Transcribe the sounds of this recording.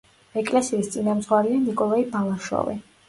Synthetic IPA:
ɛkʼlɛsiːst̪sʼinamd̪zʁwaɾianikʼɔlaibalˠaʃwɔ̰vḭ

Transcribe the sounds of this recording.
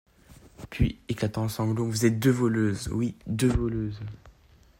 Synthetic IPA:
pʰɥḭeklat̪ɑ̃ɑ̃sɑ̃bd̪ɔ̃kvuzɛt̪̚d̪øvɔløzwid̪øvɔløz

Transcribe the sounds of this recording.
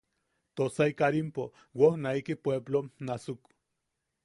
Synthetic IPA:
t̪osaikaɾimpo | wohnaikipweblonasuk

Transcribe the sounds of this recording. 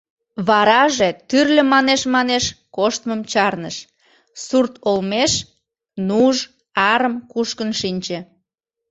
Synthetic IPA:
βɑɾɑʒet̪yrlʲə̆mɑneʃmɑneʃkoʃt̪məmt͡ɕɑrnə̰ʃ | surt̪olmeʃ | nuʒ | ɑɾəmkuʃkənʃinʲt͡ɕĕ

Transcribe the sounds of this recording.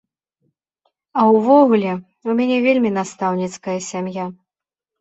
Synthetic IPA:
ɐwvɔɣulʲɛ | umʲanʲɛvʲelʲmʲinast̪awnʲit̪skɐjɐsʲamja

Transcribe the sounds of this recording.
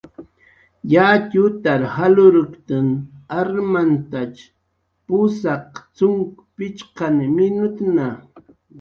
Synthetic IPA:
jat̪ʊt̪aɾhalʊɾʊkt̪ɪnaɾmant̪at͡ʃ | pʊsɑqt͡sʊŋkpɪt͡ʃqɑnmɪnʊt̪na

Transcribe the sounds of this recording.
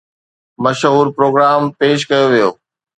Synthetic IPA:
mɐʃɦuːɾpɾoːɡɾaːmpeːʃ̬kɐjoʋijo̰ː

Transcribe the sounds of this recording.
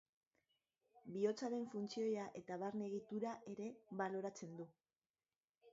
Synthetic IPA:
bio̞t͡saɾe̞ɱfunt͡sio̞jaʔe̞t̪aβaɾne̞ɣ̞it̪uɾaʔe̞ɾe̞βalo̞ɾat͡se̞nd̪u

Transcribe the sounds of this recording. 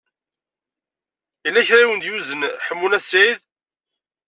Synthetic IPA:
ilːæçɾæiwənd̪juzənħəmːunæθsijð

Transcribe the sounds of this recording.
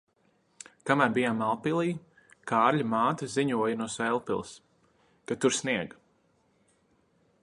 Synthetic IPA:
kamæɾbijaːmalˠpilˠiː | kaːɾʎʲamaːt̪aziɲuɔjanuɔsɛlˠpilˠs | kat̪uɾsniɛɡ

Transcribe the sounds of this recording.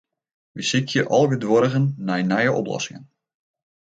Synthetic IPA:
ʋəsɪkʰjəʔɑlˠɡədʋɔɾəɣənːajnajəʔɔ̰plɔ̰sɪŋən

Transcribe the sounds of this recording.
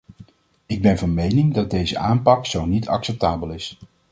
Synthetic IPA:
ɪɡ̚bɛnvɑnmejnɪŋdɑd̚dejzə̰ʔaːmpɑksownitɑ̰ksɛp̚taːbəlɪs

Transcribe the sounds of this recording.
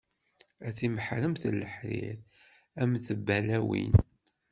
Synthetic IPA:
æθiməħɾəmθəlːəħɾɪ̰ɾ | æmθəbːælæwḭn

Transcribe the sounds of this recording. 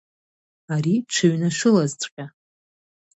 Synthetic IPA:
aɾiʈ͡ʂʷʰɨɥnaʃʷʊlazt͡sʷʼqʲʼa

